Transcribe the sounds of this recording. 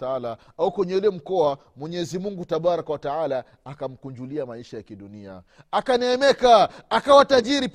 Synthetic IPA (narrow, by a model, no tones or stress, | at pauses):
aalaaukwɛɲɛulɛm̩kɔa | mwɛɲɛːzimuŋɡutaɓaɾakɔwataalaː | kam̩kuɲd͡ʒuliamaiʃajakiɗunia̰ | akanɛːmɛkaakawataʄiɾip